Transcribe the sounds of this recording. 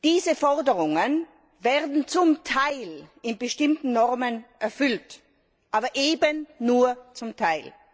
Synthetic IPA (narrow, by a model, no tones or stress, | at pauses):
d̥iːzəfɔʁdəʁʊŋən | veːɐdn̩t͡sʊmtʰaɪlɪnbəʃtɪmtn̩nɔʁmənʔɛɐfʏlt | ʔaːbɐʔeːbənːuːɐt͡sʊmtʰaɪl